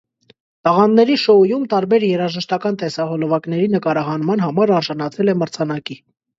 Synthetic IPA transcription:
t̪ɑʁɑnnɛɾiʃɔujumt̪ɑɾbɛɾjɛɾɑʒəʃt̪ɑkɑnt̪ɛsɑhɔlɔvɑkn̪ɛɾinəkɑɾɑɦɑnmɑnɦɑmɑɾɑɾʒɑnɑt͡sʰɛlɛməɾt͡sʰɑnɑki

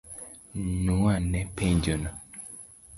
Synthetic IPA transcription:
nuanɛpẽɲd͡ʒona

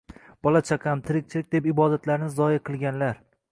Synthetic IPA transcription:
b̥ɒlat͡ʃʰaqʰɑmt̪ʰɪɾɪk̚ʲt͡ʃʰɪlɪkʲd̪e̞pɪbɒd̪at̪ʰlaɾnɪzɒɪqʰɨlˠɡʲanlaɾ

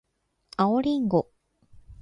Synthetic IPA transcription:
aoɾʲiŋɡo̞

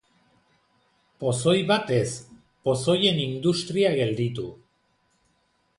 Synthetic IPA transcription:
po̞so̞jβat̪e̞s | po̞so̞je̞nind̪ust̪ɾiaɣe̞ld̪it̪u

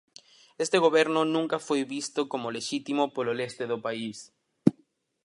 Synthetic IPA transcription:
est̪eɣoβeɾnonũŋkafwejβist̪okomoleʃit̪imopololest̪eðopais

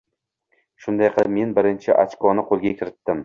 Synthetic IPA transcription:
ʃʊnd̪ajqʰɨlˠɪp̚me̞nbɪɾɪnt͡ʃʰɪʔa̰t͡ʃkʰɒnɪqʰolˠɡʲakʲʰɪɾɪt̪ːɪm

